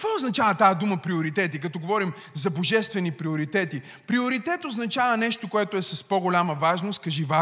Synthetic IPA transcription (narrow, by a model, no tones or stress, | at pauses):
kɐkvɔoznɐt͡ʃavɐt̪ad̪uməpɾioɾit̪ɛt̪̬ikɐt̪ɔɡovɔɾim | zɐboʒɛst̪vɛnipɾioɾit̪ɛt̪i | pɾioɾit̪ɛt̪oznɐt͡ʃavɐnɛʃt̪okoɛt̪oɛsɐspoɡolʲamɐvaʒnost̪kɐʒiva